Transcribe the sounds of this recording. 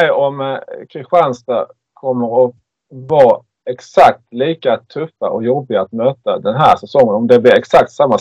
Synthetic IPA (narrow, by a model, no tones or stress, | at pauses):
ɔmkʰɾɪɧanst̪a | kʰɔmːəɾɔ | vɑː | ɛksak̚t̪liːkat̪ʰɵfːaʔɔjɔbːɪɡaːt̪møːt̪ad̪ɛnɦæːʂɛsɔŋːənɔmd̪ɛblɪɾɛksak̚t̪samːa